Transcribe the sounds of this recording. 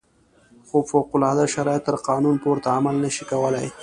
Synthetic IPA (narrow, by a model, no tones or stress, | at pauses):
xofowqʊlɑd̪aʃaɾɑjɪt̪ːəɾqɑːnunpoɾt̪aːmalnəʃikawəlaj